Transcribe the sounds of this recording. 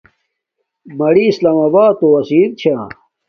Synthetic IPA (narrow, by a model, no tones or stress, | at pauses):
mɐɽiːslaːmɐbaːt̪owɐsiːɾt͡ɕʰa